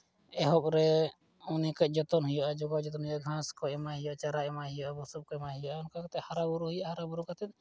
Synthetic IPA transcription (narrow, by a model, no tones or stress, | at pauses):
ɛɦɔp̚ɾɛ | unɛkaˀd͡ʒɔt̪ɔnɦujɔʔad͡ʒɔɡawd͡ʒɔt̪ɔnɦujɔaɡʱãskɔɛmaɦijɔʔt͡ʃaɾaɛmaɦijɔabɔsɔp̚kɔɛmaɦujɔʔaɔnkakt̪ɛhaɾabuɾuɦujɔhaɾabuɾukat̪ɛt̪̚